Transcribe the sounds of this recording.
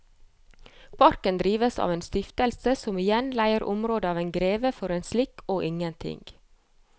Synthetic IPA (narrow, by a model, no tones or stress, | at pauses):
pʰɑɾkənd̪ɾiːʋəsɑ̰ːʋeːnst̪ʏft̪əlsəsɔmɪjɛnlæɪəɾʔʊ̰mɾoːd̪əɑːʋeːnɡɾeːʋəfɔɾeːnslɪkoːʔɪŋənt̪ʰɪ̰ŋɡ̥